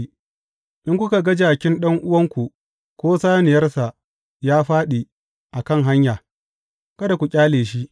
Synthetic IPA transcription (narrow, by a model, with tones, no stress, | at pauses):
ʔɪ˦ŋkʷʊ˦ka˨ɡɐ˦d͡ʒaː˨kʲɪ˦nɗɐ˦ŋʔʊ˦wɐ˦ŋkʷu˨ | kʷoː˦saː˦nɪ˨jɐ˦rsa˨ʔ | jaː˦ɸaː˦ɗi˨ | ʔa˨kɐ˦ŋɦa˦ɲjaː˨ | kɐ˦da˨kʷu˨kʲʼaː˦leː˨ʃi˦ʔ